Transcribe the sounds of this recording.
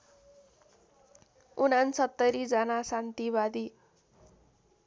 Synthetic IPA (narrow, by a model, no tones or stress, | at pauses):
unansʌt̪ːʌɾid͡zʌnasant̪iβad̪i